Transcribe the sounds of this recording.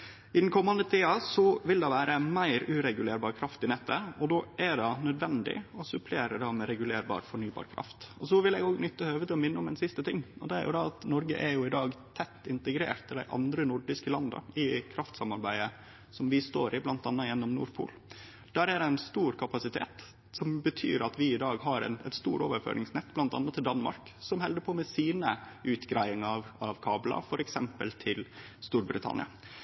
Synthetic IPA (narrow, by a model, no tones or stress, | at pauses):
ɪd̪nkʰɔmːɑnd̪ət̪ʰiːɑsɔʋɪld̪ɑʋæːɾəmæɪɾʉːɾɛɡʉleːɾbɑːɾkʰɾɑft̪ɪnɛt̪ʰːəɔd̪ɔːʔæɖɑnœd̪ʋɛnd̪ɪ̰ɔsʉpʰleːɾəd̪ɑmɛɾɛɡʉleːɾbɑ̰ːɾfɔɳyːbɑ̰ːɾkʰɾɑ̰ft̪ɔsɔʋɪlɛɡoːɡnʏt̪ːəøːʋət̪ʰɪlːɔmɪnːəɔmɛnsɪst̪ət̪ʰɪŋːɔ̰d̪ɛæ̰ɾjʊ̰d̪ɑɑt̪nɔɾɡə̰ʔæɾjʊɪd̪ɑːɡt̪ʰɛt̪ːɪnt̪əɡɾḛːɾt̪ʰːɪld̪æ̰ɪʔɑ̰nd̪ɾənʊɖɪskəlɑnd̪ɑ̰ɪkʰɾɑft̪sɑmɑɾbæɪə | sɔmʋɪst̪oːɾɪblɑnt̪ɑnːɑjɛnːɔmnṵːɾpʰṵːl | d̪̥æɾæd̪ɛɪnst̪uːɾkʰɑpɑsɪt̪ʰḛːt̪ | sɔmbət̪ʰy̰ːɾɑt̪ʋɪɪd̪ɑːɡɦɑɾɛ̰nɛ̰t̪st̪uːɾoːʋəɾfø̰ːɾʔɪŋsnɛt̪ːblɑnt̪ɑ̰nːɑt̪ːɪld̪ɑnmɑ̰ɾksɔmhɛld̪əpʰɔːmɛsiːnəʔʉːt̪ɡɾæɪɪŋɑɑʋɑʋkʰɑːblɑ̰fɔɾʔɛksɛmpəlt̪ʰɪlst̪uːɾbɾɪ̰t̪ʰɑ̰nɪ̰ɑ̰